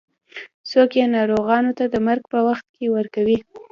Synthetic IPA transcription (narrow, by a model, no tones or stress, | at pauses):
sokjenɑɾoɣɑnot̪ad̪əmaɾɡpəwaxt̪̚kewəɾkawi